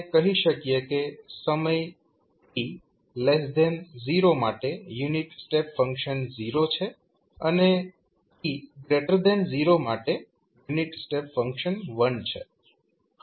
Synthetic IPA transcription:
kəɦiʃəkjekesəməj | i | lesd̪ɛnziɾomaʈejuniʈsʈepfəŋkʃənziɾot͡ʃʰe | əne | t̪iɡɾeʈəɾd̪ɛnziɾomaʈe | juniʈsʈepfəŋkʃənʋənt͡ʃʰḛ

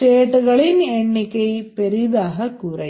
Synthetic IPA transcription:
eːʈːuɣɐɭineɳːikːejpeɾid̪aːɦɐkurɐ

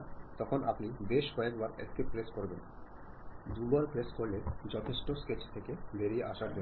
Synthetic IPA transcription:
t̪ɔkʰonʔapnibeʃkɔekbaɾɛ̰kʈepɾeskoɾben | d̪ubaɾpɾeskoɾled͡ʑɔt̪ʰeʃʈosket͡ɕt̪ʰekebeɾieʔaʃaɾd͡ʑon

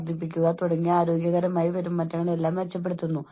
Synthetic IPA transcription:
d̪ʱipːikʲːuɣat̪oɽɐŋːijaːɾo̞ːɡjɐɣɐɾɐmaːjiʋɐɾumːɐtːɐŋːɐɭe̞lːaːmʋet͡ɕːɐp̬ːe̞ɽut̪ːunːu

